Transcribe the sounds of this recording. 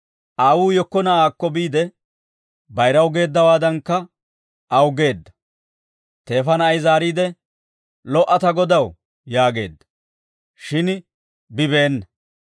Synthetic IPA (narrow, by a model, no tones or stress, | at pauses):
ʔaːwuːjɔkːɔnɐaːkːɔbiːd̪ɛ | bɐjɾɐwɡe̞ːd̪ːɐwaːd̪ɐnkːɐ | ʔɐwɡe̞ːd̪ːɐ̥ | t̪e̞ːfɐnɐjzaːɾiːd̪ɛ | lɔʔɐt̪ɐɡɔd̪ɐw | jaːɡe̞ːd̪ːɐ̥ | ʃɪn | bɪbe̞ːnːɐ